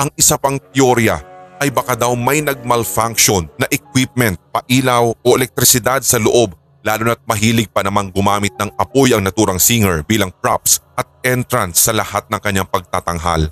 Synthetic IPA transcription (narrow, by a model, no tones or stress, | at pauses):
ʔɐŋʔɪsapɐŋt̪ɪoɾjɐ̰ʔɐjbɐkad̪awmɐjnɐɡ̚mɐlfaŋkʃo̞nːɐʔɛkwip̚mɛnt̪̚pɐʔiːlɐwʔo̞ʔɛlɛk̚t̪ɾɪsɪd̪ad̪̚sɐloʔo̞b̚ | laːlʊnɐt̪̚mɐɦiːlɪɡ̚pɐnɐmaŋɡʊmaːmɪt̪̚nɐŋɐpojɐŋnɐt̪uːɾɐŋsiŋɛɹbiːlɐŋpɹa̰psʔɐt̪̚ɛnt̪ɾɐnsːɐlɐhat̪̚nɐŋkɐɲːaŋpɐɡ̚t̪at̪ɐŋɦa̰l